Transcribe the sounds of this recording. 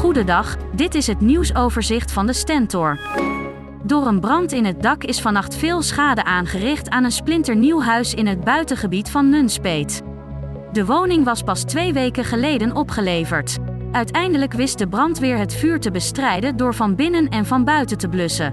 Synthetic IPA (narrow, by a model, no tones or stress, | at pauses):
χudədɑχdɪtɪsɦətniwsowvəɹzɪχtfɑndəstɛntʊɹ | dʊːrənbrɑntɪnɦət̚dɑkɪsfɑnɑχtfɪːlˠsχaːdəʔaːnχərɪχtaːnənsplɪntəɹniwɦœɥsɪnɦəd̚bœɥtəχəbitfɑnːɵnspejt | dəʋownɪŋʋɑspɑstʋejʋejkəχəlejdənɔpχəlejvəɹt | œɥtɛjndələkʋɪst̚dəbrɑntʋɪːɹɦətfyːɹtəbəstrɛjdəndʊːɹvɑnbɪnənɛnvɑnbœɥtətəblɵsə